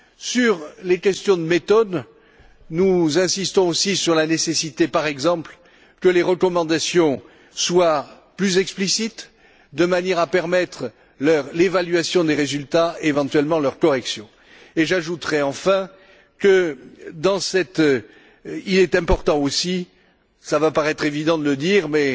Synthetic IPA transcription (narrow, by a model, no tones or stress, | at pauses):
syʁlekʲɛst̪jɔ̃d̪əmet̪ɔd̪ | nuzɛ̃sist̪ɔ̃osisyʁlanesesit̪epaʁɛɡzɑ̃pl | kəleʁəkɔmɑ̃d̪asjɔ̃ | swa | plyzɛksplisit̪ | d̪əmanjɛʁapɛʁmɛt̪χ | lœʁlevalɥasjɔ̃d̪eʁezylt̪aevɑ̃t̪ɥɛlmɑ̃lœʁkɔʁɛksjɔ̃ | eʒaʒut̪ʁɛɑ̃fɛ̃ | kəd̪ɑ̃sɛt̪ | ilɛt̪ɛ̃pɔʁt̪ɑ̃osi | savapaʁɛt̪χevid̪ɑ̃d̪ələd̪iʁmɛ